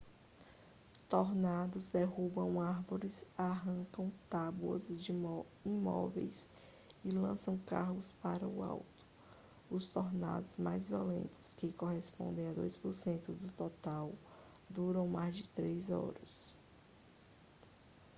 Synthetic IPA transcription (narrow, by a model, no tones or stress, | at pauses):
t̪oɾnad̪ʊzd̪eɦubɐ̃w̃aɾvoɾɪsaɦɐ̃ŋkɐ̃w̃t̪abuɐ̰zd͡ʒ | imɔ̰vḛjs | ɪlɐ̃sɐ̃w̃kaɦʊspaɾɐʊa̰wt̪ʊ̥ | ʊst̪oɾna̰d̪ʊzmajzviolḛ̃nt̪ɪ̥skɪkoɦespõ̰nd̪ẽj̃ad̪ojspʊɾsẽnt̪ʊd̪ʊt̪ɔt̪aw | d̪uɾɐ̃w̃majzd͡ʒɪt̪ɾezɔ̰ɾɐs